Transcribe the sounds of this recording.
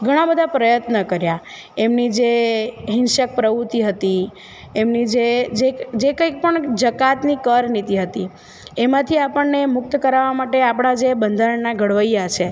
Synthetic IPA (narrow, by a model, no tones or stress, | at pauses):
ɡʱəɽ̃ãbəd̪ʱapɾəjət̪nəkəɾja | emnid͡ʒeɦɪ̃nʃək̚pɾəʋut̪iɦət̪i | emnid͡ʒed͡ʒed͡ʒekəik̚pəɳd͡ʒəkat̪nikəɾnit̪iɦət̪i | emãt̪ʰiapəɳːemʊk̚t̪kəɾaʋamaʈeapəɳ̃ad͡ʒebənd̪ʱaɾəɳnaɡʱəɽʋəijat͡ʃʰe